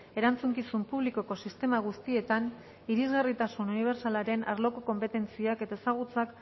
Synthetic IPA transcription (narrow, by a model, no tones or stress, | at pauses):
e̞ɾant͡suŋkisumpuβliko̞ko̞sist̪e̞maɣ̞ust̪ie̞t̪an | iɾizɣarit̪asununiβ̞e̞ɾsalaɾe̞nʔa̰ɾlo̞ko̞ko̞mpe̞t̪e̞nt͡siake̞t̪ae̞saɣ̞ut͡sak